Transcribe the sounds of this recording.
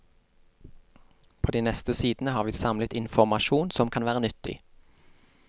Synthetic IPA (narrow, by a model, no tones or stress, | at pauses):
pʰoːd̪iːnɛst̪əsiːd̪n̩əhɑːʁʋiːsɑmlət̪ɪnfɔmɑʃuːnsɔmkʰɑnʋæːʁənʏt̪ɪ̰